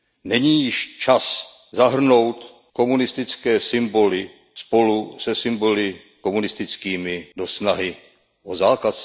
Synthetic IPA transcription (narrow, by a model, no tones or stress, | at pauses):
nɛɲiːjɪʃt͡ʃas | zaɦr̩no̞wt̪ | ko̞munɪst̪ɪt͡skɛːsɪmbo̞lɪ | spo̞lusɛsɪmbo̞lɪ | ko̞munɪst̪ɪt͡skiːmɪdo̞snaɦɪ | ʔozaːkas